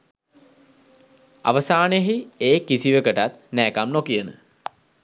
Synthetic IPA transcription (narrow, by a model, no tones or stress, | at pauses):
a̰ʋəsaːnəɦieːkisiʋəkəʈat̪næːkamnokijənə̰